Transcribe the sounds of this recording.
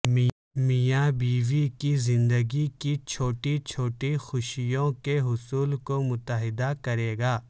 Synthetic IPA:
mijabiːʋikizɪ̃nd̪əɡikit͡ʃʰoːʈit͡ʃʰoːʈixʊʃijõkeɦʊsuːlkomʊt̪əɦɪd̪akɐɾeːɡaː

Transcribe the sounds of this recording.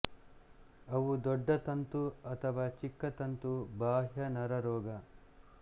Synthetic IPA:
ɐʋud̪ɔɖːɐt̪ɐnt̪uɐt̪ʰɐʋaːt͡ʃikːɐt̪ɐnt̪ubaːɦjɐnɐɾɐɾɔːɡɐ

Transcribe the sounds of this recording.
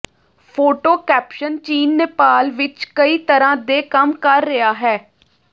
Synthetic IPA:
pʰoːʈoːkɛːpʃənt͡ʃiːnːepaːlʋɪt͡ʃkəiːt̪əɾãːd̪eːkəmkəɾːɪjaːɦɛː

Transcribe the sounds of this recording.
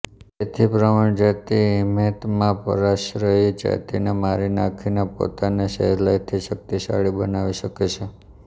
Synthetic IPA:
et̪ʰipɾəmaɳ̃d͡ʒat̪iimet̪mãpə̰ɾaʃɾəɦid͡ʒa̰t̪inemaɾinakʰinepo̰t̪aneʃə̰ɦlajt̪ʰiʃək̚t̪iʃa̰ɭibənaʋiʃəket͡ʃʰe

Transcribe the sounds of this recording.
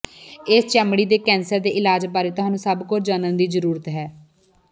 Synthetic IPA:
ɪst͡ʃɛːmɽiːd̪eːkɛ̃ːnsəɾd̪eːʔɪlaːd͡ʒbaːɾeːt̪ʊɦaːnũːsəbkʊt͡ʃd͡ʒaːnənd̪iːzəɾuːɾət̪ɦɛː

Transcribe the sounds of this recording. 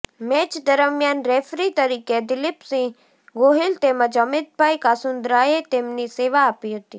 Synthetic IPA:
met͡ʃd̪əɾəmjaːnɾefɾit̪əɾiːked̪ɪlɪpsĩ | ɡoɦɪlt̪eməd͡ʒəmɪd̪̚bʱaikaːsʊnd̪ɾaːjet̪eːmniseːʋaːpiɦət̪iː

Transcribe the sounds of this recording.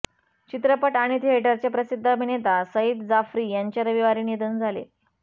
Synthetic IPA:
t͡ɕit̪ɾəpəʈaɽ̃it̪iɦeʈəɾt͡ɕjapɾəsid̪ʱːəbʱinet̪asəid̪d͡zafɾiːjaɲt͡ɕaɾəʋiʋaɾiːnjed̪ənd͡zʱalḛ

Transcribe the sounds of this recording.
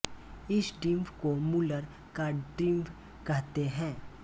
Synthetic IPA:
ɪsɖɪmfkomuləɾ | kaɖɪmfʰ | kɛɦt̪eɦɛ̃ː

